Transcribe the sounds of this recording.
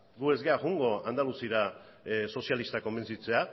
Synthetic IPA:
ɡue̞zɡeaɣuŋɡo̞and̪alusiɾa | so̞sialist̪ako̞mbe̞nt͡sit͡se̞a

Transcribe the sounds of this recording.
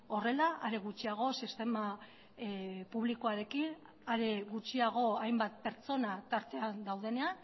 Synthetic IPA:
o̞re̞laʔaɾe̞ɣ̞ut͡ʃiaɣ̞o̞sist̪e̞ma | puβliko̞aɾe̞kin | aɾe̞ɣut͡ʃiaɣ̞o̞ajmbat̪̚pe̞ɾt͡so̞nat̪aɾt̪e̞and̪awð̞e̞ne̞an

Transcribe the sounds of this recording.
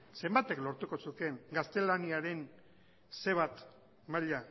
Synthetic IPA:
se̞mbat̪e̞klo̞ɾt̪uko̞suke̞ŋɡast̪e̞laniaɾe̞ŋ | se̞βat̪ | maʎa

